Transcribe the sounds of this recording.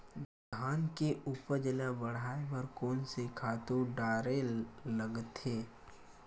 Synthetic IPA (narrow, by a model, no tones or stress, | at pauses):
d | d̪ʱaːnkeʔupəɾd͡ʒəlabəɽ̤aːepɐɾkoːnsekʰaːt̪uɖaːɾeləɡt̪eː